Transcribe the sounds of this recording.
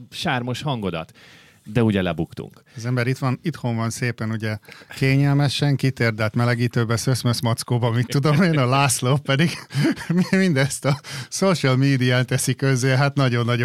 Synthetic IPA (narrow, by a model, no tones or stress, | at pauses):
ʃaːrmo̞ʃhɒŋɡo̞d̪ɒ̰t̪ | d̪ɛuɟɛlɛbukt̪ṵŋkɒzɛmbɛɾit̪ʋɒnit̪ho̞ɱvɒnseːpɛnuɟɛkeːɲɛlmɛʃɛŋkit̪eːrd̪ɛlt̪mɛlɛɡiːt̪øːbɛsøsmøsmɒt̪skoːbɒmit̪ːud̪o̞meːnɒlaːsloppɛd̪iɡmimind̪ɛst̪ɒsoʃəlmiːd̪iaːnt̪ɛsikøzːeɦat̪nɒɟo̞nːɒɟ